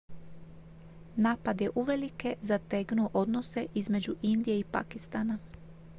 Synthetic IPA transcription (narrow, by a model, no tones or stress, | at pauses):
naːpad̪je̞ʔuʋe̞likezat̪eɡnuʔo̞d̪no̞se̞ʔizme̞d͡ʑuʔind̪ije̞ipa̰kist̪ana